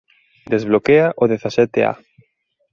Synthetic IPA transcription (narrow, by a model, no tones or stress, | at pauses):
d̪ezβlokeaʔoðeθasɛt̪ea̰